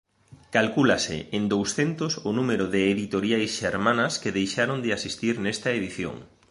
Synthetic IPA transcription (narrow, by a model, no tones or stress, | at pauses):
kalkulasɪ̰end̪owsθent̪ʊsʊnumeɾʊðɪːðit̪oɾjajsʃeɾmãnɐskɪðejʃaɾond̪ɪasist̪iɾnest̪ɐeðiθjo̰ŋ